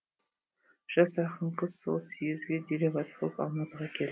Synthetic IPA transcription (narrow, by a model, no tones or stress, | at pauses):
ʒ̥ɑsɑqəɴqʰəzso̰lˠsijɪzɡʲed̪ʲeɾʲevɑt̪qʰo̰pɑ̰lˠmɑt̪əʁɑkʲʰel